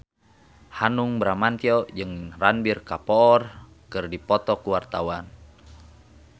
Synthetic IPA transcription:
hanuŋbɾamant̪iɔd͡ʒɨŋranbirkapɔːr | kɨrdipɔt̪ɔkuwart̪awan

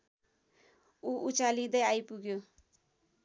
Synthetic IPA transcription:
uʔut͡ʃalid̪əjajpuɡjo

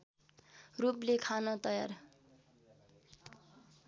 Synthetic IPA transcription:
ruplekʰanʌt̪ʌja̰r

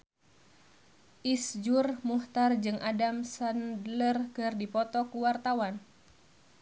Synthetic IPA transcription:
ʔisd͡ʒurmuht̪ard͡ʒɨŋʔadamsandlərkɨrdipɔt̪ɔkuwart̪awan

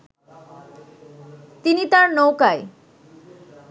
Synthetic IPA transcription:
t̪init̪aɾnowkae

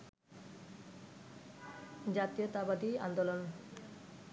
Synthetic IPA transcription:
d͡ʑat̪iot̪abad̪ia̰nd̪olon

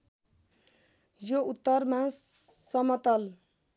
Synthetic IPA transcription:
jout̪ːʌrmasʌmʌt̪ʌl

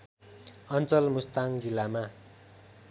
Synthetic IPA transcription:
ʌnt͡sʌlmust̪aŋd͡zilːama

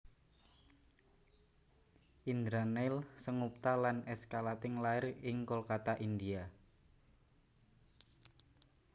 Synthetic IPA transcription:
ʔind̪ɾanɛlsəŋup̚t̪alanɛskalat̪ɪŋlaɪrɪŋkolkat̪aʔind̪ia

